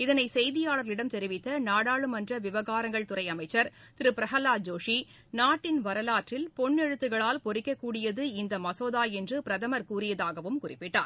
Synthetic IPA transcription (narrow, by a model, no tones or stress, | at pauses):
ɪðɐnɐɪsɛjðɪjaːɭɐɾlɪɽɐmt̪ɛɾɪʋɪt̪ːɐnaːɽaːɭɯmɐndrɐʋɪʋɐɣaːɾɐŋɡɐɭt̪ʊɾɐɪɐmɐɪt͡ʃːɐɾ | t̪ɪɾɯpɪɾɐɦɐlaːd͡ʒoːʂi | naːʈːɪnʋɐɾɐlaːʈrɪlpɔɳːɛɻɯt̪ːɯɣɐɭaːlpɔɾɪkːɐkːuːɽɪjɐðɯɪnd̪ɐmɐsoːðaːjɛndrɯpɪɾɐðɐmɐɾkuːrɪjɐðaːɣɐʋɯmkʊrɪpːɪʈːa̰ːɾ